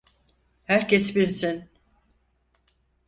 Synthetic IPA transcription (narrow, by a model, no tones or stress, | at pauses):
hæɾcesbinsin